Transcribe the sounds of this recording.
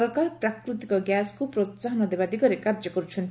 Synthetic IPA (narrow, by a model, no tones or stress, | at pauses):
ɾkaɾpɾakɾut̪ikɔɡjaskupɾot̪saɦɔnɔd̪ebad̪iɡɔɾekaɾd͡ʒɔkɔɾut͡ʃʰɔnt̪